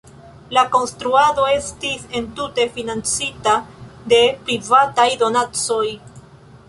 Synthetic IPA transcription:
lako̞nst̪ɾuado̞e̞stise̞ntute̞finant͡sitade̞pɾivatajdo̞nat͡so̞j

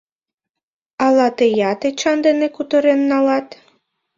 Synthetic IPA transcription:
ɑlɑt̪ejɑt̪et͡ɕɑnd̪enekut̪əɾenːɑlɑt̪

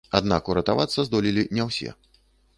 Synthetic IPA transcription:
ad̪nakuɾɐt̪avat̪sːɐzd̪ɔlʲilʲinʲɛwsʲɛ̰

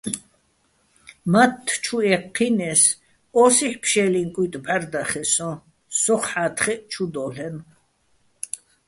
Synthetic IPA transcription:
mat̪ʰːt͡ʃʰuɛqʰːinɛs | ɔsiħpʰʃɛliŋkʼut̪ʼbaɾd̪aχɛsɔ̃ | sɔχħaːt̪ʰχɛʔt͡ʃʰud̪ɔɬɛn

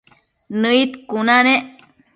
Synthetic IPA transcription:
nəit̪kunaneʔ

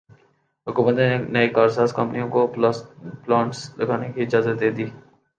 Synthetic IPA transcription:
ɦʊkuːmət̪nenɐikaːɾsaːskɐ̃mpənijõko | plaːʈslɐɡaːnekiɪd͡ʒaːzət̪̚d̪eːd̪iː

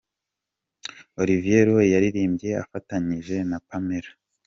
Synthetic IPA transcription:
o̞ɾivije̞ɾojaɾiɾiːmbɟe̞a̰fataɲiʒe̞napame̞ɾa

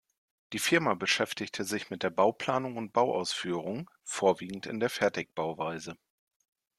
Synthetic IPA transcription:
d̥iːfɪɐmabəʃɛftɪçtʰəzɪçmɪt̚d̥eːɐbaʊpl̥aːnʊŋʊnt̚b̥aʊʔa̰ʊsfyːʁ̞ʊŋ | foːɐviːɡŋ̩tɪ̰ndeːɐfɛɐtɪk̚b̥aʊvaɪzə

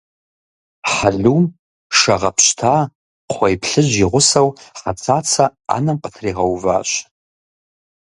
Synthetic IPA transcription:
ħaɮum | ʂaʁapʰʃtʰa | qʷʰajpʰɬɨʒʷiʁʷʊsawħat͡sʰat͡sʰaa̰namqʼatʰriʁawva̰ɕ

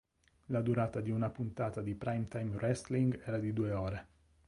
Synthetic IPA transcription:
lad̪uɾaːt̪ad̪iunapunt̪aːt̪ad̪ipɾajmt̪ajmrɛst̪liŋɡɛːɾad̪id̪ueɔːɾe

